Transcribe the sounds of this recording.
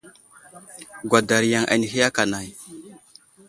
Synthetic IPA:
ɡʷa˨da˨ɾja˨ŋʔa̰˨ni˨ɦi˦ja˦ka˨na˨j

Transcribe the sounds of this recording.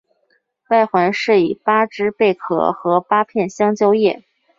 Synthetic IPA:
pa˥˩ɪxwa˧˥nʂɻ̩˥˩i˨˩pa˥ʈ͡ʂɻ̩˥pe˥˩ɪkʰɤ̰˥˩xɤ˧˥pa˥pʰjɛ˥˩nɕjɑ˥ŋt͡ɕjo˥ʊjɛ̰˥˩

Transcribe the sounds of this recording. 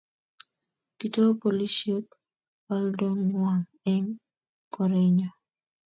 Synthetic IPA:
ki˨to˦po˨li˦ʃo˦k | a˦ldo˦ŋwa˨ŋ | ɛ˦ŋ | kɔ˨ɾe˦ɲɔ˨

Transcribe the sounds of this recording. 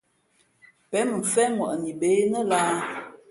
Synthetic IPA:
pɛ˨˦mə˨m̩˨fɛ˦mwɔ˨ʔni˨be˨˦nə˦laː˦

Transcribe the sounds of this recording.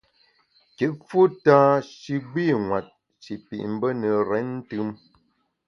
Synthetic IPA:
ke˨ʔfu˦ta˦ʃi˦ɡiː˦˨ŋwa˨t̚ | ʃi˨pḭ˨ʔm̩˦bə˦nə˨ɾɛ˨˦n̩˦tɯ˦m

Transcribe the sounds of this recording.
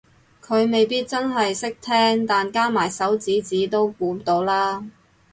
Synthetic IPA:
kʰɵ˨˧ɥme˨jpiː˥t̚t͡sɐ˥nɦɐ˨jsɪ˥k̚t̪ʰɛː˥ŋt̪aː˨nkaː˥maː˨˩jsɐ˨˥wt͡siː˨˥t͡siː˨˥t̪o˥wkuː˨˧˥mt̪o˨˧˥wlaː˥

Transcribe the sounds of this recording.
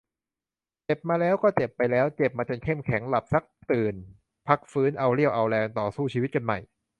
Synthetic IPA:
t͡ɕe˨˩p̚maː˧lɛː˦˥wkɔː˥˩t͡ɕe˨˩pːa˧jlɛː˦˥wt͡ɕe˨˩p̚maː˧t͡ɕa˧nkʰe˥˩mkʰɛ˩˦ŋla˨˩p̚sa˦˥k̚t̪ɯː˨˩n | pʰa˦˥k̚fɯː˦˥nʔa˧wɾi˥˩əwʔa˧wlɛː˧ŋt̪ɔː˨˩suː˥˩t͡ɕʰiː˧wi˦˥t̪̚ka˧nma̰˨˩j

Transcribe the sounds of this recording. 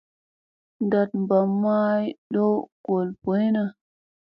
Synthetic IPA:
nda˨t̚mba˨mːa˦jɗo˦ɡ̥o˨lpo˨˦jna˨

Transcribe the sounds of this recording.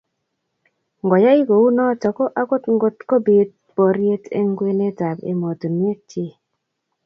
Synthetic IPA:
ŋɡɔ˨ja˦i˦ɡo˨u˦nɔ˦t͡ʃɔ˨kɔ˦ʔa˦ko˦tŋ˦ɡo˦tko˦bi˨t̚ | pɔ˨ɾje˦tḛ˦ŋɡwe˦ne˦ta˨bḛ˨mo˨to˨nje˦t͡ʃe˦

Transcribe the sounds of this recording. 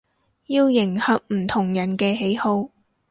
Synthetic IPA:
jiː˧wjɪ˨˩ŋhɐ˨˥k̚m̩˨˩t̪ʰʊ˨˩ŋjɐ˨˩nkɛː˧ɦe˨˥jho˧w

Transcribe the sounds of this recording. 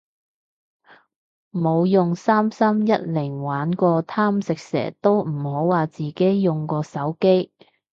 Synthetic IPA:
mo˨˧wjʊ˨ŋsaː˥msɐ˥mjɐ˥t̚lɪ˨˩ŋwaː˨˥nkɔː˧t̪ʰaː˥msɪ˨k̚sɛ̰ː˨˩t̪o˥wm̩˨˩ho˨˥wwaː˨t͡siː˨ke˨˥jjʊ˨ŋkɔː˧sɐ˨˥wke˥j

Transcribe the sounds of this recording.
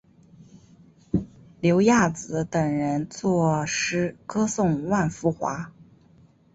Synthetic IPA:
ljo˧˥ʊja˥˩t͡sɹ̩˧˥t̪ə˨˩ŋɻə˧˥nt͡swɔ˥˧ʂɻ̩˥kɤ˥sʊ˥˩ŋwa˥˩nfu˧˥xwa̰˧˥

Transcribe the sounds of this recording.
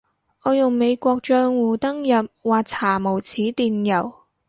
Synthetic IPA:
ʔɔː˨˧jʊ˨˩ŋme˨˧jkʷɔː˧k̚t͡ʃœː˧ŋwuː˨t̪ɐ˥ŋjɐ˨p̚waː˨k̚t͡sʰaː˨˩mo˨˩wt͡sʰiː˨˥t̪iː˨˩njɐ˨˩w

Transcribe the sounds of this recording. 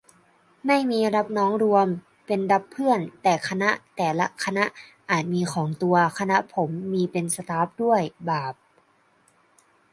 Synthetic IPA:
ma˥˩jmiː˧ɾa˦˥p̚nɔː˦˥ŋɾu˧əm | pe˧nda˦˥pʰːɯ˥˩ənt̪ɛː˨˩kʰa˧na˦˥ʔt̪ɛː˨˩la˦˥ʔkʰa˧na˦˥ʔʔaː˨˩t̪̚miː˧kʰɔː˩˦ŋt̪u˧ɐkʰa˧na˦˥ʔpʰo˩˦mːiː˧pe˧nsa˧t̪aː˦˥p̚du˥˩əjbaː˨˩p̚

